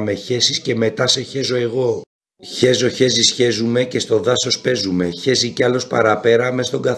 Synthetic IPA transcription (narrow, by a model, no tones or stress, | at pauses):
me̞çe̞sisce̞me̞t̪ɐse̞çe̞zo̞e̞ɣo̞ | çe̞zo̞çe̞zisçe̞zume̞ce̞st̪o̞ðɐso̞spe̞zume̞çe̞ziceɐlo̞spɐɾɐpe̞ɾɐmest̪o̞ŋɡɐ